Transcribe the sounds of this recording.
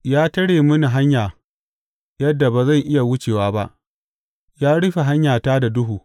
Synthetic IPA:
jaː˦tɐ˦ɽeː˨mʊ˦ni˨ɦa˦ɲjaː˨ | jɐ˦dːa˨ba˨zɐ˦˨ŋʔɪ˦ja˨wʊ˦t͡ʃeː˨waː˦ba̰˦ʔ | jaː˦ɽɪ˦ɸe˨ɦa˦ɲjaː˨taː˦da˨dʊ˦ɦuː˨

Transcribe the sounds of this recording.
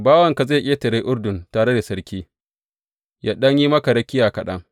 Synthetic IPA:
baː˦wɐ˨ŋka˨za˦˨kʲʼeː˦tɐ˨ɾe˦ʔʊ˦ɽdʊ˨ntaː˨ɽe˦da˨sɐ˦ɾkʲiː˦ | jaː˦ɗɐ˦ɲji˦mɐ˦ka˨ɽɐ˦kʲɪ˦jaː˨kɐ˨ɗɐ˦ŋ

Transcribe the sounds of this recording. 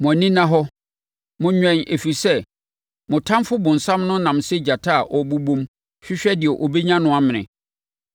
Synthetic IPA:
mɔ̃˨nĩ˦nã˦ɦɔ˦ | mʊ̃˦ɲᶣɛ̃˦nʔe˨fi˨sɛ˦ | mʊ̃˨tʰã˦mfʊ˦bʊ̃˨n̩˨sã˦mnʊ̃˦nã˨m˨sɛ˦d͡ʑa˨tʰa˦˨ʔɔ˨bu˦bõ˦m | ɕᶣɪ˦ɕᶣɛ˦dɪ˨ɛ˨ʔo˨be˦ɲã˦nʊ̃˦a˦mɪ̃˨nɪ̰̃˨

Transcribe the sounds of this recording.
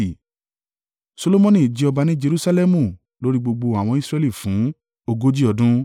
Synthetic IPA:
i˨ | so˧lo˧mɔ̃˧nĩ˨d͡ʒi˨˦ɔ˧ba˧nĩ˦d͡ʒe˧ɾu˦sa˧˦lɛ˦mũ˦˨ | lo˦ɾi˦ɡ͡bo˧ɡ͡bo˧a˨w̃ɔ̃˧i˦sɾɛ˧li˦˨fũ˨˦ | o˧ɡo˦d͡ʒi˦ɔ˧dũ˦

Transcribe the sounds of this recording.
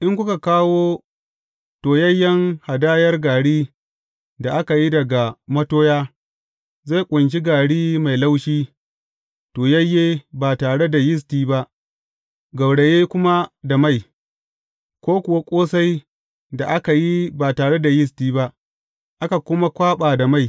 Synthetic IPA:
ʔɪ˦ŋkʷʊ˦ka˨kaː˦woː˦ | toː˨jɐ˦jːɐ˦ŋha˨daː˦jɐ˦rɡaː˨ɽiː˦ | da˨ʔa˦ka˨ji˦dɐ˨ɡa˨mɐ˦toː˦jaː˦ | za˦˨jkʷʼʊ˨nt͡ʃi˦ɡaː˨ɽiː˦ma˨jla˦wʃiː˦ | toː˨jɐ˦jːeː˦baː˨taː˨ɽe˦da˨jɪ˦s̬tiː˦ba˦ʔ | ɡa˨wɽe˨jeː˦kʷʊ˦ma˦da˨ma˦˨j | kʷoː˦kʷʊ˨wa˦kʷʼoː˦sa˦j | da˨ʔa˦ka˨ji˦baː˨taː˨ɽe˦da˨jɪ˦s̬tiː˦ba˦ʔ | ʔa˦ka˨kʷʊ˦ma˦kʷaː˦ɓaː˨da˨ma˦˨j

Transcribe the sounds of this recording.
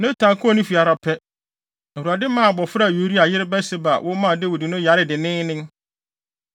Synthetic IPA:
nʊ̃˦tʰã˨ŋkʰʊ˦ɔ˦˨nʊ̃˦fi˨a˨ɾa˨pʰɛ˦˨ | u˨a˨dɪ˦mã˦˨bɔ˨fɾa˦˨jo˨˦ɾi˦a˨jɪ˦ɾɪ˦bɛ˦sɪ˦ba˨wʔʊ˦mã˦˨dɪ˦wʊ˨di˨nʊ̃˦ja˨ɾɪ˦dɪ˨nɪ̃˦nɪ̃˦ŋ

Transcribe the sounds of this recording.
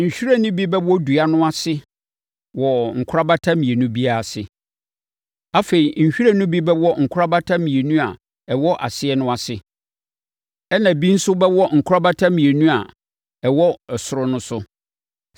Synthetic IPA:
ɲ̩˨ɕᶣi˦ɾa˦nʊ̃˦bi˦bɛ˦wɔ˦du˨a˦nʊ̃˦a˦sɪ˦ | wɔ˨ŋ̩˨kʰʊ˦a˦ba˦tʰa˦mĩ˨e˨nũ˦bi˦a˨a˨sɪ˨ | a˨fe˨ɾi˨ɲ̩˨ɕᶣi˦ɾa˦nʊ̃˦bi˦bɛ˦wɔ˦ŋ̩˨kʰʊ˦ɾa˦ba˦tʰã˦mĩ˨e˨nũ˦a̰˨ | ɛ˨wɔ˦ʔa˨sɪ˦ɛ˦nʊ̃˦a˨sɪ˦ | ɛ˦nã˨bi˦n̩˦sʊ˦bɛ˦wɔ˦ŋ̩˨kʰʊ˦ɾa˦ba˦tʰã˦mĩ˨e˨nũ˦a˨ | ɛ˨wɔ˦ɛ˨sʊ˨ɾʊ˦nʊ̃˦sʊ˦

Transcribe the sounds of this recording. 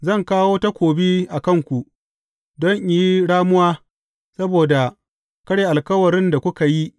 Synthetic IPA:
zɐ˦˨ŋkaː˦woː˦ta˦kʷoː˨bi˦ʔa˨kɐ˦˨ŋkʷu˨ʔ | dɔ˦ɲʔi˨ji˦ɽaː˦mʊ˦waː˦ | sɐ˦boː˨da˨ | kɐ˦ɽeː˨ʔa˨lkɐ˦wɐ˨ɾɪ˦nda˨kʷʊ˦ka˨ji˦

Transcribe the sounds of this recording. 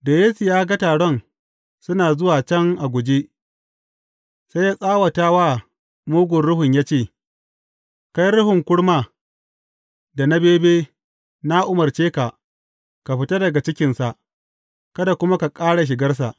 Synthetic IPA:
da˨je˦si˨jaː˦ɡa˦taː˨ɽɔ˦˨n | sʊ˦naː˨zʊ˦waː˨t͡ʃɐ˦ŋʔa˨ɡʷʊ˨d͡ʒe˦ | sa˦ja˦sʼaː˦wa˨taː˦waː˦˨ | muː˦ɡʷʊ˨nɽʊ˦ɦʊ˨ɲjaː˦t͡ʃeː˦˨ | ka˦jɾʊ˦ɦʊ˨ŋkʷʊ˦ɽmaː˦ | da˨na˦beː˦beː˦ | na˦ʔʊ˦mɐ˨rt͡ʃeː˦ka˨ | ka˨ɸɪ˦ta˦dɐ˨ɡa˨t͡ʃɪ˦kʲɪ˨nsa˨ʔ | kɐ˦da˨kʷʊ˦ma˦ka˨kʼaː˦ɽa˨ʃ̬ɪ˨ɡɐ˦rs̬a˨ʔ

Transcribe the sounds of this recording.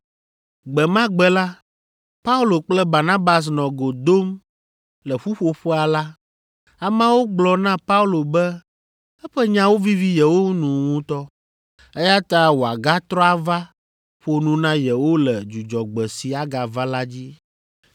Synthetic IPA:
ɡ͡bɛ˨mã˦ɡ͡bɛ˨la˦ | pa˦u˦lo˨k͡plɛ˦ba˨nã˦ba˨s̬nɔ̃˨ɡo˨d̪o˦m | lɛ˨ɸu˦ɸo˦ɸɛ˦a˨la˦ | a˨mã˦wo˦ɡ͡blɔ˨nã˦pa˦u˦lo˨bɛ˦ | ɛ˦ɸɛ˦ɲã˦wo˦vi˦vi˦jɛ˨wo˦nũ˨ŋũ˦t̪ɔ˦ | ɛ˦ja˦t̪a˦wo˨a˨ɡa˦t̪ɾɔ˦a˦va˦ | ɸo˦nũ˨nã˦jɛ˨wo˦lɛ˨d͡ʒu˨d͡ʒɔ˨ɡ͡bɛ˨si˨a˨ɡa˨va˦la˦d͡ʑi˦

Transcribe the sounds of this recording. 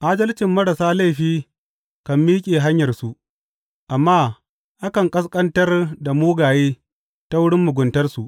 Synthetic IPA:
ʔaː˦dɐ˦lt͡ʃɪ˨mːɐ˦ɽa˨saː˦la˦˨jɸiː˦ | kɐ˨mːiː˦kʲʼeː˨ɦa˦ɲjɐ˨rsu˨ʔ | ʔa˨mːaː˦ | ʔa˦kɐ˨ŋkʼɐ˦s̬kʼɐ˦ntɐ˦rda˨muː˦ɡaː˨jeː˦ | ta˦wʊ˦ɽɪ˦mːʊ˨ɡʷʊ˨ntɐ˦rsu˨ʔ

